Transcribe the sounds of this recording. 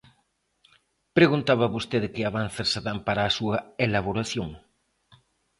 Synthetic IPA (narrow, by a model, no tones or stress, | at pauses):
pɾeɣunt̪aβɐβost̪eðɪkɪaβanθeɾsaðampaɾaːsuɐelaβ̞oɾaθjoŋ